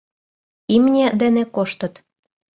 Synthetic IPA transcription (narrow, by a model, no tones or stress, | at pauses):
imnʲed̪enĕkoʃt̪ɤ̆t̪